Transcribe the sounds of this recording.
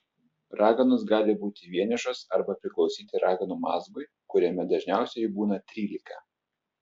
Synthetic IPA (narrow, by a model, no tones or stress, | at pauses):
ɾɑːɡɐnʊs̬ɡɑːlʲɪbuːt̪ʲɪʋʲiɛnʲɪʃosɐɾbɐpʲɾʲɪklˠɒʊsʲiːt̪ʲɪɾʔɑːɡɐnuːmɑ̰ːzɡɔɪ | kʊɾʲɛmʲɛd̪ɐʒʲnʲæˑʊsʲɛjbuːnɐt̪ʲɾʲiːlʲɪkɐ